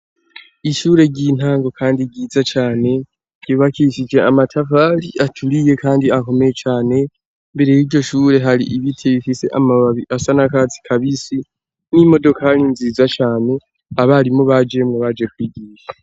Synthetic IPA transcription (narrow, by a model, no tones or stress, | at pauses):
iʃuːɾe̞ɟiːn̥haːŋɡo̞kʰaːndiɟiːzat͡ʃaːne̞ | ɟ̥uːβakiʃid͡ʒe̞amatʰafaliʔatʰuɾije̞kaːndiako̞me̞jet͡ʃaːne̞ | mbe̞ɾe̞jiɾɟo̞ʃuːɾe̞ɦaɾḭʔiβitʰeβifise̞ʔamaβaβiʔasanakat͡si̥kʰaβisi | nimo̞do̞kʰalinziːzat͡ʃaːne̞ | aβaɾimoβad͡ʒe̞mŋeβad͡ʒe̞kwiːɡiːʃḁ